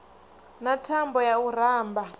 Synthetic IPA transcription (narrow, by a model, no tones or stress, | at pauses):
natʰambɔjaur̤aːmbʱa